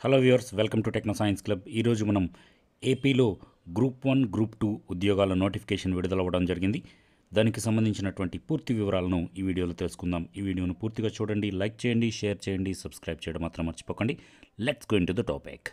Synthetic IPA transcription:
heloːjuɾsʋelkɐmʈuʈeknoːsaːjɐnsklɐbiːɾo̞ːd͡ʒumɐnɐm | e̞ːpiːlo̞ː | ɡɾuːpʋɐnɡɾuːpʈuːud̪jɔːɡaːlɐnoːʈipʰi̥kɛːʂɐnʋiɽud̪ɐlɐʋɐɽɐmd͡ʒɐɾiɡind̪i | d̪aːnikisɐmbɐnd̪iɲt͡ʃinɐʈuʋɐɳʈipuːɾt̪iʋiʋɐɾaːlɐnuiːʋiːɽijoːloːt̪elsu̥kund̪aːmiːʋiːɽijo̞ːnupuːɾt̪iɡaːt͡ʃuːɽɐɳɖilɐjk̚t͡ʃɛːjɐɳɖiʃɛːjɐɾt͡ʃɛːjɐɳɖisɐbskɾaːjb̚t͡ʃɛjɐɽɐmːaːt̪ɾɐmːɐɾt͡ʃi̥pɔːkɐɳɖi | leʈsɡoːiɳʈud̪ɐʈɔ̰ːpḭk

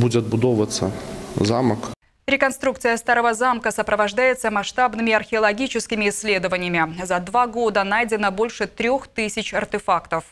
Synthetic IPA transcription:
bud͡zʲɛɐd̪̚bʊd̪ɔvət̪sːə̰zamɐk | ɾʲɪkɐnst̪ɾukt̪sɨjəst̪aɾəvəzamkəsəpɾəvɐʐd̪ajɪt̪səmɐʂt̪abnɨmʲɪɐrxʲɪɐlˠɐɡʲit͡ɕɪskʲɪmʲɪɪsʲːlʲe̞d̪əvənʲɪjəmʲɪzɐd̪vaɡo̞d̪ənajdʲɪnəbo̞lʲʂɨt̪ɾʲoxt̪ɨsʲɪt͡ɕɐrt̪ʲɪfakt̪əf

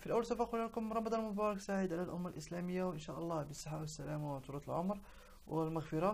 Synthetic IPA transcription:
filʔæwːlsæfæqulælkʊmɾˤɑmɑd̪ˤɑnmʊbɑɾˤɑksaʕəd̪ʕalælʔʊmːalʔəslæməjːawʔənʃæʔɑlˤːɑbəsˤːəħːawəsːælæmawt̪uɾˤɑt̪əlʕʊmɾ | wəlmaɣfəɾˤɑ

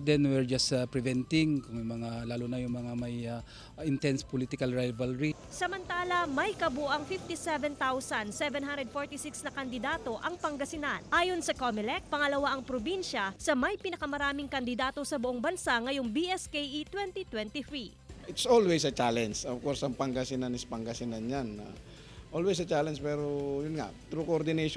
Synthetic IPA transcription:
d̪ɛnwɛɹd͡ʒaspɹɛvɛnt̪ɪŋkʊŋjʊŋmɐŋalaːlunajʊŋmɐŋamɐja | ɪnt̪ɛnspolit̪ɪkɐlɹajvɐlɹi | sɐmɐnt̪aːlɐmɐjkɐboʔɐŋfift̪isɛvɛnt̪awsɐnsɛvɛnɦãnd̪ɾɛd̪̚foɹt̪isɪksnɐkɐnd̪ɪd̪aːt̪o̞ʔɐŋpɐŋɡɐsɪnanʔaːjo̞nsɐkomɛlɛk̚pɐŋɐlɐwaʔɐŋpɾobinʃɐsɐmɐjpɪnɐkɐmɐɾaːmɪŋkɐnd̪ɪd̪aːt̪o̞sɐbʊʔoŋbɐnsaŋɐjoŋbiʔɛskejʔit̪wɛnt̪it̪wɛnt̪iθɹi | ʔɪt̪solwɛsɐt͡ʃalɛnsofkoɾsɐŋpɐŋɡɐsɪnanɪspɐŋɡɐsɪnanɲana̰ | ʔolwɛs̬ɐt͡ʃalɛnspɛɾojʊnŋa̰t̪ɾukoʔoɾd̪ɪnejʃ

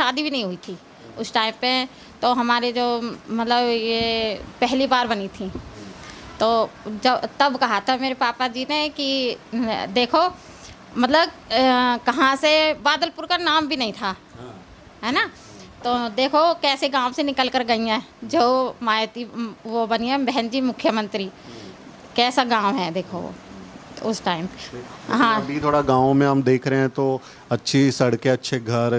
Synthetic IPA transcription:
ʃaːd̪ibʱinɐɦĩɦʊit̪ʰi | ʊsʈaːɪmpe | t̪oɦɐmaːɾid͡ʒoːmɐt̪ləbjepɛɦlibaːɾbɐnit̪ʰĩ | t̪oːd͡ʒɐbt̪ɐbkɐɦat̪ʰameːɾepaːpad͡ʒineki | d̪eːkʰo | mɐt̪ləb | kɐɦãsebaːd̪əlpʊɾkanaːmbʱinɐɦĩt̪ʰaː | ɦɛːna | t̪oːd̪eːkʰokɛːseɡãːʋ̃senɪkəlkəɾɡɐĩɛ̃ːd͡ʒoːmaːjot̪iʋobɐniɦɛ̃bɛɦɛnd͡ʒimʊkʰːjəmə̃nt̪ɾi | kɛːsaɡãːwɦɛd̪eːkʰo̰ | ʊsʈaːɪmɦãːbʱit̪ʰoːɽaɡãːʋõmẽɦɐmd̪eːkʰɾɐɦɛ̃t̪o | ɐtːʃʰisɐɽkeɐtːʃʰeɡʱɐɾ

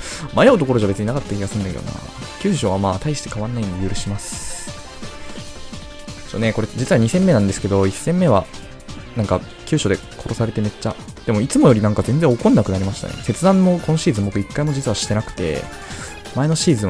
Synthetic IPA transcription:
majoɯ̟t̪o̞koɾo̞ʑaβbe̞t͡sɨɲinakat̪ːakʲiɡasɨ̃nakḛjo̰na̰ | kʲɨːɕo̞βamaːt̪aiɕi̥t̪e̞kaβãnːaĩɲejɯ̟ɾɯ̟ɕimasɨ̥ | oone̞ko̞ɾe̞d͡ʑit͡sɨβaɲ̟isẽ̞mːe̞nãnd̪esɨ̥ke̞d̪o̞isːẽ̞mːe̞βa | nãŋka | kʲɨːɕo̞d̪ekʰo̞ɾo̞saɾe̞t̪e̞me̞t͡ɕːad̪̥e̞mo̞it͡sɨmo̞jo̞ɾʲinãŋkazẽ̞nd͡zzẽokõ̞nːakɯnaɾʲimaɕi̥t̪a̰nḛse̞t͡sɨd̪ãnːo̞ko̞noɕiːzɨ̃mbo̞kɯ̟ikːaimo̞d͡ʑit͡sɨβaɕi̥t̪e̞nakɯ̟̥t̪e̞̰ | mae̞no̞ɕiːzɨ̃ɰ

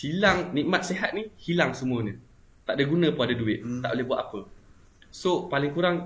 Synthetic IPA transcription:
silaŋnĩʔmat̪̚seɦat̪̚nihilaŋsəmũəɲə̃ | t̪aʔdaɡunə̃pəadaduɪt̪̚ːaʔboleɦbuat̪apə | sopalɪŋkuɾaŋ

